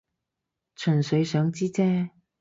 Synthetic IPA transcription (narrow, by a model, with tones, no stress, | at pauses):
t͡ʃʰɵ˨˩nsɵ˨˧ɥsœː˨˥ŋt͡siː˥t͡sɛː˥